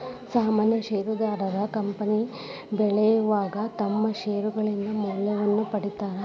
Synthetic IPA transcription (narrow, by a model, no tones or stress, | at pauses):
saːmaːnjɐʃeːɾud̪aːɾɐɾɐkɐmpɐni | bɛɭɛjuʋaːɡɐt̪ɐmːɐʃeːɾuɡɐɭind̪ɐmɐljɐʋɐnːupɐɽit̪aːɾe